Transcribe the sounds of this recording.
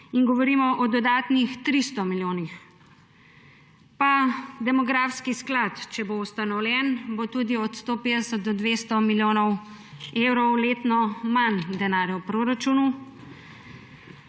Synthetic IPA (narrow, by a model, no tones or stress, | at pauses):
inɡɔʋɔɾiːmɔʔɔd̪ɔd̪aːt̪nixt̪ɾist̪ɔmiljoːnix | pad̪ɛmɔɡɾafskisklat̪t͡ʃɛboust̪anɔwlʲjɛnbot̪uːd̪iɔt̪st̪oːpeːd̪ɛsət̪̚d̪ɔd̪ʋeːst̪ɔmiljoːnɔw | ewɾɔwleːt̪nɔmand̪ɛnaːɾjɔwpɾoːɾat͡ʃuːnu